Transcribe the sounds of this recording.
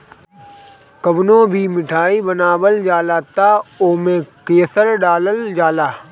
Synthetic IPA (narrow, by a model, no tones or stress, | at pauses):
kəbnõːbʱimɪʈʰaːibənaːbəld͡ʒaːlaːt̪aːoːmẽkeːsəɾɖaːləld͡ʒaːlaː